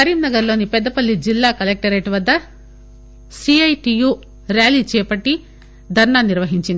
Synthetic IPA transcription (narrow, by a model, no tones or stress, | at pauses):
sɐɾiːmnɐɡɐɾlo̞ːnipɛd̪ːɐpɐlːid͡ʒilːaːkɐlek̚ʈɐɾeːʈʋɐd̪ːɐ | siɐjʈiːjuː | ɾjaːliːt͡ʃɛːpɐʈːi | d̪ʱɐɾɳaːniɾʋɐɦiɲt͡ʃind̪i